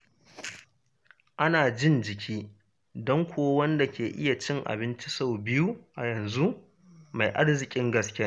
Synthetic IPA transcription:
ʔa˦naː˨d͡ʒɪ˦nd͡ʒɪ˨kʲʰiː˦ | dɔ˦ŋkʷʰoː˦wɐ˦nda˨kʲeː˨ʔɪ˦ja˨t͡ʃɪ˦ŋʔa̰˨bɪ˦nt͡ʃi˦sa˦˨wbɪ˦ju˦ʔa˨jɐ˨nzu˦ | ma˨jʔa˦ɽzɪ˨kʲʼɪ˦ŋɡɐ˨skʲɪ˦a˦

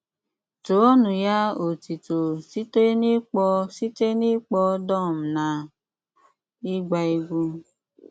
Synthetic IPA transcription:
to˨˦o˦nũ˨ja˦o˨ti˨to˨si˦te˦ni˦k͡pɔ˧si˦te˦ni˦k͡pɔ˧˦dɔ˦˨m̩˨nã˨˦ | i˦ɡ͡ba˧i˧ɡu˧

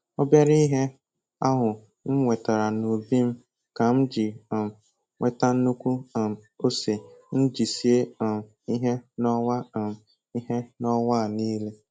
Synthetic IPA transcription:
o˦bja˦ɾi˦ɦe˦ | a˦ɦʊ˨ | ŋ̩˦ŋʷe˨ta˨ɾa˨no˨bi˦m̩˦ | ka˨m̩˦d͡ʒi˨ | ŋʷe˦ta˦n̩˦nu˦kʷu˦˨o˦se˨n̩˦d͡ʒi˨si˦e˦˨ | i˦ɦe˦nɔ˦wa˦˨ | i˦ɦe˦nɔ˦wa˦˨niː˦le˦

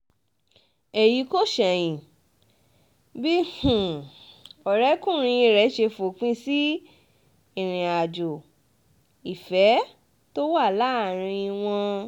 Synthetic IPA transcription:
e˨ji˨˦ko˦ʃɛ˨j̃ĩ˨ | bi˦hũ˨ | ɔ˨ɾɛ˨˦kũ˦˨ɾ̃ĩ˧ĩ˧ɾɛ˨˦ʃe˧fo˨k͡pĩ˦si˦ | ĩ˦˨ɾ̃ĩ˨a˨d͡ʒo˨ | i˨fɛ˨˦ | to˦wa˦˨la˨˦˨ɾ̃ĩ˧ĩ˧w̃ɔ̃˧

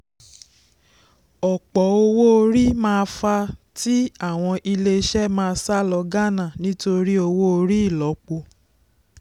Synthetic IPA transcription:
ɔ˨k͡pɔ˨˦o˧wo˦o˧ɾi˦mãː˦˧fa˧ti˦a˦˨w̃ɔ̃˧ʔi˧le˧˦ʃɛ˦mãː˧sa˦lɔ˧ɡa˦nã˦˨nĩ˦to˧ɾi˦o˧wo˦o˧ɾi˦i˦˨lɔ˨˦k͡po˧

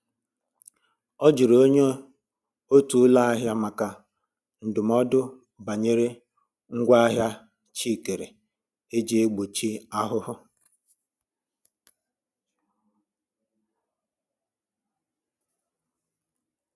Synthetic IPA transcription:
ɔ˦d͡ʒi˨ɾo˦ɲe˦ | o˦tu˨˦la˦a˦ɦja˦ma˨ka˨ | n̩˨dʊ˨m̩˦ɔ˦dʊ˦ | ba˨ɲe˦ɾe˦ | ŋ̩˦ɡʷa˦a˦ɦja˦ | t͡ʃi˦˨ke˨ɾḛ˨ | e˦d͡ʒe˦e˦ɡ͡bo˨t͡ʃi˦a˦ɦʊ˦ɦʊ˦

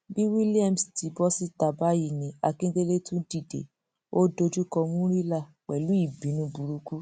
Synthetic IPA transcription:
bi˦wi˦li˦a˦˨m̩˨sti˨˧bɔ˦si˦ta˨ba˨˦ji˦˨nĩ˨˦a˧kĩ˦ɡe˦le˦tũ˦di˦˨dḛ˨ | o˦do˧d͡ʒu˦kɔ˧mũ˦ɾi˦la˦˨ | k͡pɛ˨lu˨˦i˦˨bĩ˨˦nũ˦bu˧ɾu˧ku˦

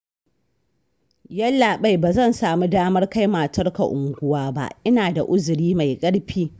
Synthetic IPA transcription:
jɐ˦lːaː˨ɓa˦jbaː˨zɐ˦˨nsaː˨mu˦daː˦mɐ˦rka˦jmaː˨tɐ˦rka̰˨ʔʊ˨ŋɡʷʊ˦waː˦ba̰˦ʔɪ˦naː˨da˨ʔʊ˦zʊ˨ɽiː˦ma˨jkʼɐ˦ɽɸiː˦

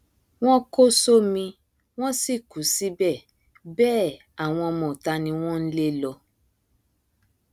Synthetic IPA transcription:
w̃ɔ̃˦ko˦so˦mĩ˧ | w̃ɔ̃˦si˦˨ku˨˦si˦bɛ˦˨ | bɛː˦˨ | a˨w̃ɔ̃˧mɔ̃˨ta˧nĩ˧w̃ɔ̃˦n̩˦le˦lɔ˧

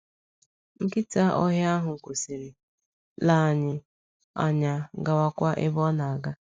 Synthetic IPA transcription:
ŋ̩˦kɪ˦ta˦ʔɔ˦ɦja˦a˦ɦʊ˨ŋ̩˨kʷo˨si˨ɾi˨ | la˦˨ɲɪ˨ | a̰˨ɲa˨˦ɡa˨wa˦kʷa˦ʔɪ˦bɔ˦na˨a˨ɡa˦

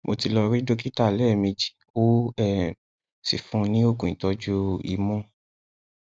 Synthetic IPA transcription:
mo˧ti˧lɔ˧ɾi˦do˦ki˦ta˦˨lɛ˦˨mĩ˧d͡ʒi̥˨ | o˦ɛ˦˨ | sḭ˨fũ˧nĩ˦o˦ɡũ˨ĩ˨tɔ˧d͡ʒu˦ḭ˧˨mɔ̃˦

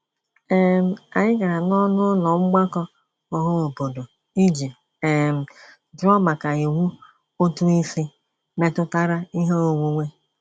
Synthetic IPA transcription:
e˦m̩˨˦a˨ɲɪ˦ɡa˨ɾa˨nɔ˦nʊ˦lɔ˨ŋ͡m̩˦ɡ͡ba˦kɔ˦ | ɔ˦ɦo˦o˨bo˨do˨ | i˦d͡ʒi˨ | e˨m̩˨ | d͡ʒʊ˦ɔ˦ma˨ka˨i˨wu˦ | o˦tu˦i˦si˦ | me˦tʊ˦ta˦ɾa˦i˦ɦe˦o˨ŋʷu˦ŋʷe˦

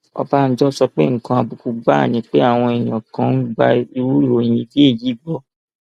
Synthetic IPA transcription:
ɔ̰˧ba˧n̩˦d͡ʒɔ˦sɔ˧k͡pe˦ŋ̩˨kã˧˦a˧bu˧ku˧ɡ͡ba˦˨nĩ˨˦k͡pe˦a˦˨w̃ɔ̃˧e˨j̃ã˨kã˦n̩˦ɡ͡ba˧i˧wu˦ɾu˦o˨j̃ĩ˧bi˦e˦˨ji˨˦ɡ͡bɔ˦

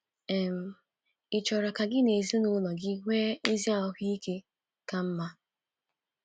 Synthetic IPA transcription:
ɛ˨m̩˨ | ɪ˨t͡ʃɔ˨ɾa˨ka˨ɡɪ˦ne˨zi˦nʊ˦lɔ˨ɡɪ˦ŋʷe˦e˦zi˦a˨ɔ˦ɦi˦i˦ke˦ | ka˨m̩˦ma˦

